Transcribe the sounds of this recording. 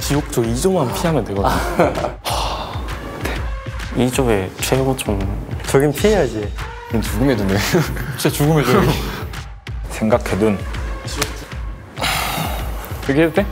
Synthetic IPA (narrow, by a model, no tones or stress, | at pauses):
t͡ɕijok̚t͡ɕ͈oid͡ʑomɦanpʰiɦaŋɯndweɡʌdɲoa | tʰeid͡ʑoet͡ɕʰeɡot͡ɕomt͡ɕʌɡɯmpʰiejad͡ʑe | omt͡ɕuɡɯmɦedundet͡ɕet͡ɕuɡɯmeo | sʰe̞ŋɡakʰedun | ɯɡet͈e